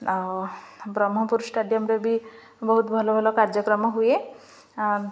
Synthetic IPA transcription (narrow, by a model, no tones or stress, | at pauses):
bɾɔmɦɔpuɾsʈaɖijɔmɾɔbi | bɔɦut̪bʱɔlɔbʱɔlɔkaɾd͡ʒɔkɾɔmɔɦuje | a